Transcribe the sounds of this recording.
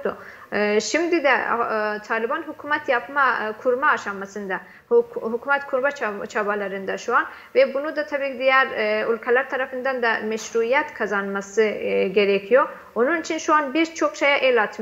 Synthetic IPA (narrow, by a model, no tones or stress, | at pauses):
d̪u | ʃimd̪id̪ɛ̰t̪ʰaːlʲibanɦukʰumat̪ʰjapmakʰuɾmaːʃamːasɯnd̪a | hhukʰumɛt̪kʰuɾmat͡ʃʰat͡ʃʰabalˠaɾɯnd̪aʃuan | vɛbunud̪at̪ʰabiːcʰid̪ijæɾulʲkʰalʲˠæɾt̪ʰaɾafɯnd̪and̪amɛʃɾuijɛt̪kʰazanmasɯɟeɾecʰijo | onunit͡ʃʰinʃuanbiɾt͡ʃʰo̞kʃejaʔelʲat̪ʰm